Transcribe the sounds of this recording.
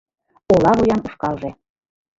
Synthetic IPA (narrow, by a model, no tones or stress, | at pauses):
olɑβujɑnuʃkɑlˠʒe